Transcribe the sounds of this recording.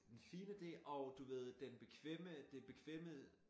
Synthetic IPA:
d̥enfiːnəd̥e̝̰ːʔɒ̽ʊd̥uʋe̝ð̞̰ˠd̥enb̥e̝kʰʋeməd̥eb̥e̝kʰʋḛm̰ə

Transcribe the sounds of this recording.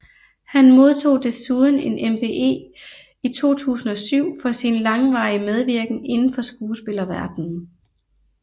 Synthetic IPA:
hænmo̝ð̞ˠt͡sʰo̝̰ːd̥e̝suð̞ˠn̩e̝nʔempʰe̝ʔe̝̰ː | it͡sʰo̝̰ːt͡sʰṵːsn̩ɒ̽syʊ̰fɒ̽sinlɑ̈ŋʋɑ̈ɪəmeð̞ˠʋiɐɡ̥n̩e̝nn̩fɒ̽sɡ̥uːsb̥e̝lɐʋæɐd̥n̩

